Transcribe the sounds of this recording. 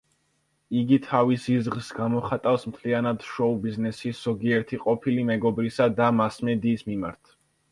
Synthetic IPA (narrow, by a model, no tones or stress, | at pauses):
iɡit̪ʰavisizʁsɡamɔχat̪ʼavsmt̪ʰlianad̪̥ʃɔubiznɛsisz̥ɔɡiɛɾt̪ʰiqʼɔpʰilimɛɡɔbɾisad̪amasmɛd̪iːsmima̰ɾt̪ʰ